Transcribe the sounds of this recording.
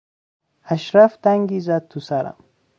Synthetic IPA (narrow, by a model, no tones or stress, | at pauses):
aʃɾafd̪aŋɡizad̪̚t̪ʰːusaɾa̰m